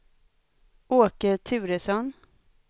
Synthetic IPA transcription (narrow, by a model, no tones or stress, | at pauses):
ʔoːkət̪ʰʉ̟ːɾəsɔn